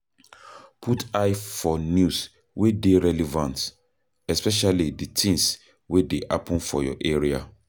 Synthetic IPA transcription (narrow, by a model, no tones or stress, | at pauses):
pʰutajfɔnjus | wedeɹɛlɛvãnt | ɛspɛʃaliditʰĩŋs | wedeʔa̰pɔ̃nfɔjɔ̰ʔeɹia